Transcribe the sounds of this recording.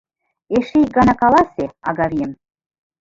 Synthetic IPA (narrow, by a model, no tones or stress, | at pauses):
eʃeik̚ɡɑnɑkɑlˠɑseɑ̰ɡɑβijem